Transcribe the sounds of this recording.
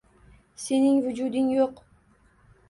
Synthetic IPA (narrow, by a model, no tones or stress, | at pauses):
se̞nɪŋvʊd͡ʒud̪ɪŋjoq